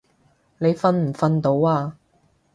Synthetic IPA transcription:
ne˨˧jfɐ˧nm̩˨˩fɐ˧nt̪o˨˧˥waː˧

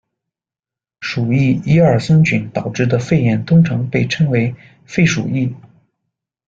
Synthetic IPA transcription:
ʂu˨˩i˥˩i˥ə˞˨˩sə˥nt͡ɕy˧˩˦nt̪ɑ˨˩ʊʈ͡ʂɻ̩˥˩d̪ə˩fe˥˩ɪjɛ˧˥nt̪ʊ˥ŋʈ͡ʂʰɤ˧˥ŋpe˥˩ɪʈ͡ʂʰɤ˥ŋwe˧˥ɪ | fe˥˩ɪʂṵ˨˩i˥˩

